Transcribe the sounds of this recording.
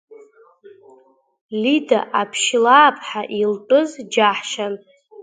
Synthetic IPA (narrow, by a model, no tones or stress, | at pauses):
lidaʔapʰʃlaːpʰʼħaʔilt͡pʼɨzd͡ʒaħʃan